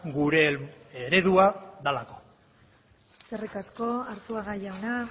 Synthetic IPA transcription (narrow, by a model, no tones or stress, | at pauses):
ɡuɾe̞eɾe̞ðuaðalako̞̥ | serikasko̞aɾt̪uaɣajawna